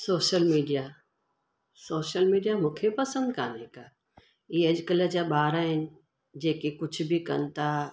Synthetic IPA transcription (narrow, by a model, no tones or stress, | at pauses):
soːʃəlmiːɖija | soːʃəlmiːɖijamũkʰepɐsə̃nd̪kaːnekaː | iːɐd͡ʒkələd͡ʑaɓaːɾaɦɪnɪ̆ | d͡ʑeːkekʊt͡ʃʰbʱikɐ̰nt̪ʰa